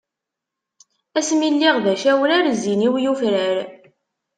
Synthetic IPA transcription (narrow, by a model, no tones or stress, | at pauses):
æsmilːiʁðæʃæwənæɾziniwjufɾəɾ